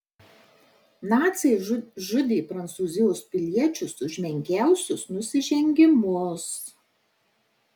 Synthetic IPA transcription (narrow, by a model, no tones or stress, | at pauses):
nɑːt̪sʲɛʒʊd̪ʲeːpɾɐnt̪suːzʲɪjoːspʲɪlʲiɛt͡ʃʲʊsʊʒʲmʲɛŋʲkʲæˑʊsʲʊsnʊsʲɪʒʲɛŋʲɡʲɪmʊs